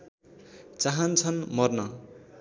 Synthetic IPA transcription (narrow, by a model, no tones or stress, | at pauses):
t͡saɦʌnt͡sʰʌnmʌrnʌ